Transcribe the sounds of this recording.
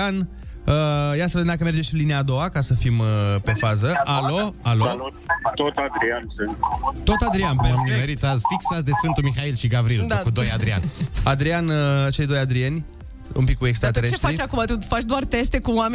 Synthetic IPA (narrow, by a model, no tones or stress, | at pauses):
an | əjat̪səved̪emd̪akəme̞rd͡ʒeʃinliniaːd̪o̞akasəfiməpe̞fazəalo̞alolot̪ot̪ad̪ɾiansɨnt̪t̪o̞t̪ad̪ɾianpemmeɾit̪azfiksasd̪e̞sfɨnt̪umixailʃiɡavɾild̪kud̪o̞jad̪ɾia̰nʲad̪ɾianət͡ʃe̞jd̪o̞jad̪ɾie̞nʲ | ṵmpikːue̞kst̪ɾat̪eɾet͡ʃeʃtfait͡ʃakumat̪ufat͡ʃd̪oart̪e̞st̪e̞kuwame